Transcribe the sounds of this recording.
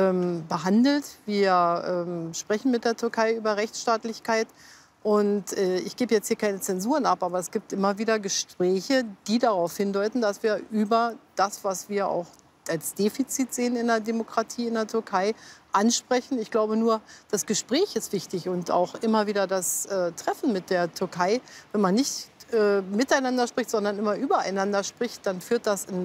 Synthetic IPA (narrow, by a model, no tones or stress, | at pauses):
ʔɛːmbəɦandl̩tv̥iːɐʔɛːmʃpʁ̥ɛçn̩mɪt̚d̥eːɐtʰʏɐkʰaɪʔyːbɐʁɛçt͡sʃtaːtlɪçkʰaɪt | ʔʊntʔɛːɪçɡ̥eːbəjɛt͡sthiːɐkʰaɪnət͡sɛnzuːʁənapʔaːbɐɛsɡ̥iːp̚tʔɪmɐviːdɐɡəʃpʁ̥ɛːçəd̥iːdaʁaʊfhɪndɔʏtn̩dasv̥iːɐʔyːbɐd̥asv̥asv̥iːɐʔa̰ʊx | alsd̥eːfit͡siːtz̥eːənɪndeːɐdemokʁ̥atʰiːɪndeːɐtʰʏɐkʰaɪʔanʃpʁ̥ɛçn̩ɪçɡ̥laʊbənuːɐd̥asɡ̥əʃpʁ̥ɛːçɪstv̥ɪçtɪçʊnta̰ʊxʔɪmɐviːdɐdasʔɛːtʁ̥ɛfn̩mɪt̚d̥eːɐtʰʏɐkʰaɪvɛnmanːɪçtʔɛːmɪtaɪnandɐʃpʁ̥ɪçtz̥ɔndɐnɪmɐʔyːbɐa̰ɪnandɐʃpʁ̥ɪçt̚d̥anfyːɐt̚d̥asɪn